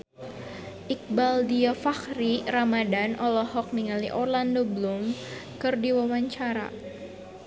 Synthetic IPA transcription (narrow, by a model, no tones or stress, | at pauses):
ʔik̚baldiafaxɾiramadanʔɔlɔhɔk̚niŋaliʔɔrlandoblumkɨrdiwawaɲt͡ʃaɾa̰